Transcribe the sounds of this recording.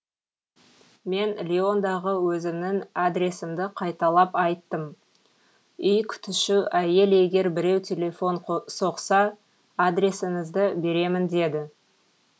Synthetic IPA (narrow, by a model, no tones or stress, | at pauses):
me̞nlʲeo̞nd̪ɑʁəwɵzɪmnɪŋad̪ɾʲe̞sɪmd̪ɪqʰɑjt̪ɑlˠɑpɑjt̪ːəm | ʏjkʲʰʏ̥t̪ɪʃɪʔæje̞le̞ɡʲe̞ɾbɪɾe̞wt̪ʲʰe̞le̞fo̞nso̞qsɑ | ad̪ɾʲe̞sɪŋɪzd̪ɪbe̞ɾe̞mɪnd̪e̞d̪ɪ